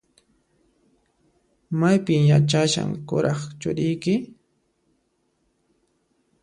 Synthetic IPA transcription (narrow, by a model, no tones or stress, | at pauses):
majpɪmjat͡ʃaʃa̰ŋkʊɾɑχt͡ʃʊ̰ɾɪjkɪ